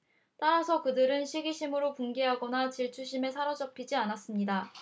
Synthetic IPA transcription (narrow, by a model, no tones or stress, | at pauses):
t͈aɾasʰʌkɯdɯɾɯnɕʰiɡiɕʰimɯɾopuŋɡeɦaɡʌnat͡ɕiɭt͡ɕʰuɕʰime̞sʰaɾʌd͡ʑʌpʰid͡ʑianas͈ɯmɲida